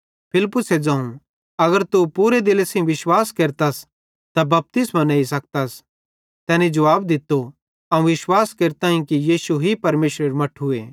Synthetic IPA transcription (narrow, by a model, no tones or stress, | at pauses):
pʰɪlɪpːʊsed͡ʒãːũ | ɐɡəɾt̪upuːɾed̪ɪlesẽʋɪʃwaːskeːɾt̪as | t̪abɐp̚t̪ɪsmaneːisɐk̚t̪as | t̪ɛːnĩd͡ʒɐʋaːbd̪ɪt̪ːo | ɐũʋɪʃwaːskeːɾt̪ãːĩkijiːsuɦipɐɾmeːʃɾeɾmɐʈʰɦʊḛː